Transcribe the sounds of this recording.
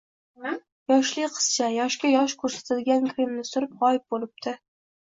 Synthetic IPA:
jɒʃlɪjqʰɨ̥z̥t͡ʃʰajɒʃkʲajɒʃkʰɵɾsḁt̪ʰad̪ɪɡʲankʲʰɾɪmnɪsʊɾɪpʁɒjɪp̚bolɪp̚t̪ʰɪ

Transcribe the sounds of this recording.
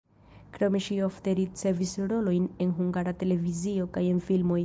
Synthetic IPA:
kɾo̞me̞ʃio̞fte̞ɾit͡se̞visɾo̞lo̞jne̞nɦuŋɡaɾate̞le̞vizio̞kaje̞nfilmo̞j

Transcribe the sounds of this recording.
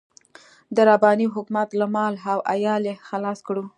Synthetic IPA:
d̪əɾabɑniɦʊkmat̪lamɑlɦawʔajɑlexalɑskɽu

